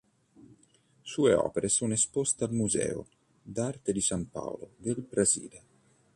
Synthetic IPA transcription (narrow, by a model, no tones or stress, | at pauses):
suːeɔ̰ːpeɾʔesunespost̪ealmuzɛ̰ːo̰ | d̪art̪ed̪isampa̰wlod̪elbɾazḭːle